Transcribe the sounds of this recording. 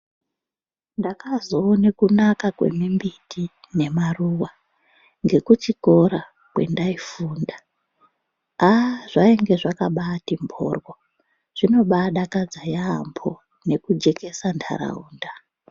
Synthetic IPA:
ndakazoːnekunakakwe̞̰mimbitʰi | ne̞maruwa | ŋɡe̞kut͡ʃiko̞ɾa | kwe̞̰ndaifuːnda | aʐ̥aeŋɡe̞ʐakaɓaːtimbʱʰo̰ːrwo | ʐ̥ino̞ɓaɗakad͡zajaːmbʰo | ne̞kud͡ʒe̞ke̞sandʰa̰ɾa̰uːnda

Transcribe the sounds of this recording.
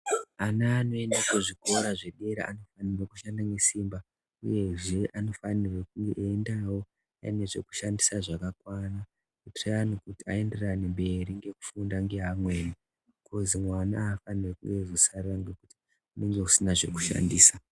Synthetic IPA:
anaːno̞e̞ndakuʐiko̞ɾaʐe̞ɗe̞ɾa̰ʔa̰no̞fanirokuʃandane̞siːmba | ṵje̞ʐe̞ʔano̞fanirokuŋɡeʔːndawo̞ | a̰ine̞ʐe̞ku̥ʃandisaʐakakwana | kutrejanukutia̰e̞nde̞ranembe̞ɾiŋɡe̞ku̥fundaŋɡe̞ɦamwe̞ːni | kʰozimwanaːfanirekuŋɡe̞zosaraŋɡekuti̥ | une̞ŋɡe̞usinaʐe̞̰ku̥ʃa̰ndiːsa

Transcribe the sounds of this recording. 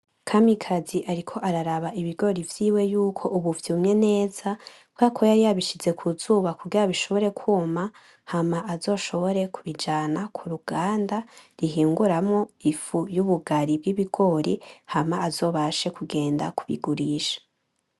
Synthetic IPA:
kʰamikʰaziʔaɾikʰo̞ʔaɾaɾaβaʔiβiɡo̞ɾivjiːwe̞juːkʰo̞ʔuβuvjiumɲe̞ne̞ːz̥a | bɡakʰo̞jaɾiaβiʃize̞kʰuzuːβakuɡiɾaβiʃo̞βo̞ɾe̞kʰuːma | hamaʔazo̞ːʃo̞βo̞ɾe̞kuβid͡ʒaːnakʰuɾuɡ̥aːndaɾiɦiːŋɡuɾamŋoifujuβuɡaɾibɡiβiɡo̞ɾihamaːzo̞ːβaʃe̞kuɡe̞ːnda̰kuβḭɡuɾiːʃḁ

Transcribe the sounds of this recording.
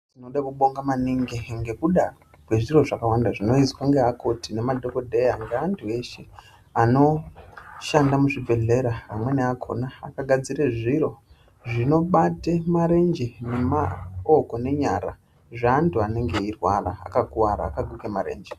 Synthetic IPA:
tino̞ɗakuɓo̞ŋɡamaniŋɡeŋɡe̞kuɗa | kwe̞ʐiro̞ʐakawandaʐino̞izwaŋɡeakʰo̞tine̞madʱo̞ko̞dʱe̞jaŋɡeantʰue̞ʃe | ano̞ | ʃandamuʐibʱe̞ɮe̞ɾapamwe̞neakʰo̞̰naakaɡʱad͡ziɾeʐiɾo̞ | ʐino̞ɓatemaɾe̞nd͡ʒene̞mao̞ko̞ne̞ɲaɾa̰ | ʐeantuane̞ŋɡe̞irwa̰ra̰a̰kakuwaɾa̰ːkaɡʱukemaɾe̞̰ːnd͡ʒe

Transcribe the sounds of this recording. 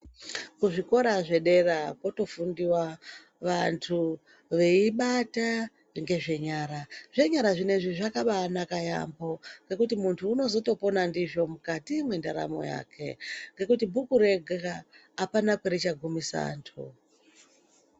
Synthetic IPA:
kuʐiko̞ɾaʐe̞ɗe̞rako̞to̞fundiwa | ʋantʰu | ʋe̞iɓata | ŋɡe̞ʐe̞ɲaːɾaʐe̞ɲaɾaʐine̞ʐiʐakaɓanakaja̰mbo̞ŋɡe̞kutimuntʰuːno̞zo̞to̞po̞nandiʐo̞mukatimwendaɾa̰mo̞̰ja̰ːkʰe̞̰ŋɡe̞kutibʱukuɾe̞ɡʱaaː | panakweɾit͡ʃaɡʱumisa̰ntʰṵ

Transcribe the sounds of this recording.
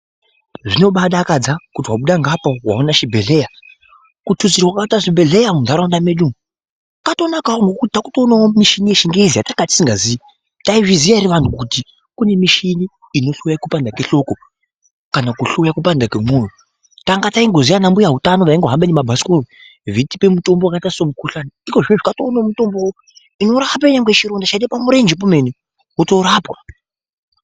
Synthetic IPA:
ʐino̞ɓaɗakad͡zakutiwaɓuɗaŋɡapowa̰onaʃibʱe̞ɮe̞ja | kutʰuzirawakautaʐibʱe̞ɮe̞jamundʱaɾandameɗumu | kato̞nakaoŋɡokutitakutoːnaomiʃinijeʃiŋɡeizijatakati̥siŋɡazia | taiʐizijaɾiʋantʰukuti | kune̞miʃiniː | no̞ɬojakupandakeɬo̞ko | kanakuɬojakupandakemoːjo | taŋɡataiŋɡo̞zijanambujaɦutano̞raiŋɡoɦamɓenemabʱasi̥koi | vitipe̞muto̞mboakaitaisomukuɬanaiko̞ʐineʐikatoːnaomuto̞mboo | ino̞ɾap̬aiɲaŋɡeet͡ʃiɾo̞ndat͡ʃaitepamuɾe̞nd͡ʒep̬ome̞ne | woto̞ɾaːpwa

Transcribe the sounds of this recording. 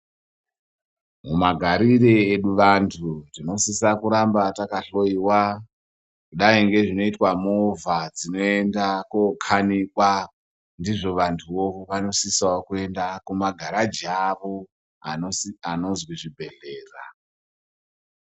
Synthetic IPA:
mumaɡʱaɾireeɗuʋantʰutino̞sisakuɾambatakaɬo̞iwa | kuɗaiŋɡe̞ʐino̞itwamovad͡zinoe̞ndakokʰanikwa | ndiʐo̞ʋantʰuoʋano̞sisawakue̞ndakumaɡʱaɾad͡ʒaʋo̞ | aano̞zwiʐibʱe̞ɮe̞ːra

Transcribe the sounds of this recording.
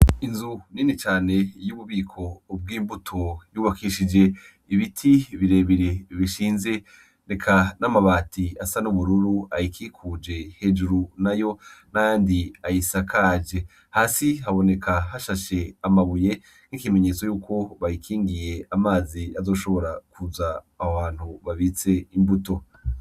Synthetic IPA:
inzuninit͡ʃaːne̞juβuβiːkʰo̞ːb̚ɡiːmbutʰojuːβakʰiʃid͡ʒe̞ | iβitʰiβiɾe̞ːβiɾeβiʃiːnze̞ | nekʰanamaβaːtiasanuβuɾuɾuajikʰiːkʰuːd͡ʒe̞he̞d͡ʒuɾunajo̞najaːndiajisakʰad͡ʒe̞ | haːsiɦaβo̞nekʰaɦaʃaʃe̞amaβuje̞ | n̥ikime̞ɲe̞ːt͡so̞juːkʰo̞βajikʰiːŋɡije̞amaːziazo̞ːʃo̞βo̞ɾakʰuzaː | oβaːn̥huβaβit͡se̞imbuto̞

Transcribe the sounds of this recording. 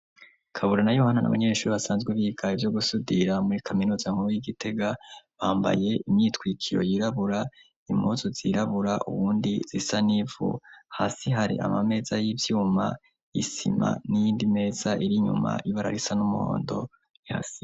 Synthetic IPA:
kʰaβuɾanajohanana̰βa̰ɲe̞ːʃuːɾiβasaːnzɡweβiːɡaivjo̞ɡusudiɾamuɾikʰaminuːzaŋ̥huiɡite̞ɡaβaːmba̰je̞imɲiːtkwiːkʰiɾo̞̰jiɾaβuɾa | imozoziɾaβuɾaʔṵβuːndiz̥isanivṵhasiɦaɾḭʔa̰mame̞ːzajivjuːma̰ | jḭsima̰nijiːndime̞ːz̥aʔiɾiɲṵma̰iβaɾa̰ɾisanumuho̰ːndo̞ | iha̰si

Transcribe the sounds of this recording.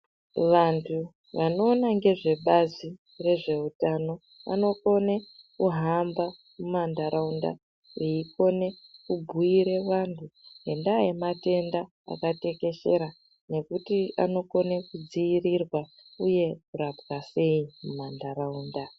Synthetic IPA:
ʋantʰu | ʋano̞ːnaŋɡe̞ʐe̞ɓazi | re̞ʐe̞utano̞ | ʋa̰no̞ko̞nekuɦamba | mumandaɾaunda̰ | iiko̞ne̞kubʱuiɾe̞ʋantʰuɦendajemate̞nda | a̰kate̞ke̞ʃe̞ɾa | ne̞kutia̰no̞ko̞nekud͡ziirirwa | uje̞kurapɣase̞imumandaɾauːnda

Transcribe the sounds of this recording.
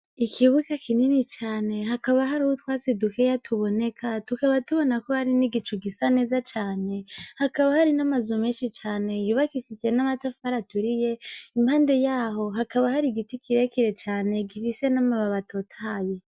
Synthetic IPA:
ikʰiβukakʰininit͡ʃaːne̞ɦakaβaɦaɾuhutwaːsedukejatʰuβo̞ne̞kʰatukaβatuβo̞nakohaɾiniɡit͡ʃuɡisane̞ːzat͡ʃaːne̞hakaβahaɾinamazumeːʃit͡ʃaːne̞juβakiʃid͡ʒe̞namatafaɾatuɾije̞imhaːnde̞jaːɦo̞ɦakaβahaɾiɡitikʰiɾe̞kiɾe̞t͡ʃaːne̞ɡifise̞namaβaβatʰo̞tʰaːje̞

